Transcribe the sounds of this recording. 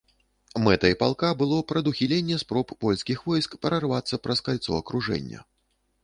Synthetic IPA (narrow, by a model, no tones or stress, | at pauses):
mɛt̪ɐipa̰lˠkabɨlˠɔpɾɐd̪uxʲilʲenʲːɛspɾɔpːɔlʲskʲixvɔjskpɐɾɐrvat̪sːɐpɾɐskalʲt̪sɔ̰ɐkɾuʐɛ̰nʲːɐ̰